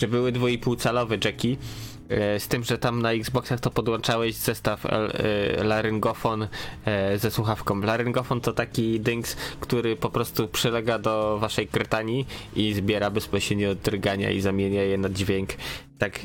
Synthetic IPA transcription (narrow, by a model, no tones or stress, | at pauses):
ʐɛbɘwɘd̪vuipuwt̪salɔvɛd͡ʐɛkʲi | st̪ɘmʐɛt̪amnaiɡzbɔksaxt̪ɔpɔd̪wɔnt͡ʂawɛʑz̥ɛst̪aflaɾɘŋɡɔfɔn | zɛswuxafkɔ̃w̃mlaɾɘŋɡɔfɔnt̪ɔt̪akʲid̪ɘŋkskt̪uɾɘpɔpɾɔst̪upʂɘlɛɡad̪ɔvaʂɛjɡɾɘt̪aɲjiizbʲjɛɾabɛspɔɕɛɲɛɔd̪ːɾɡaɲa̰ḭzamʲjeɲajɛnad͡ʑvʲjɛŋkt̪ak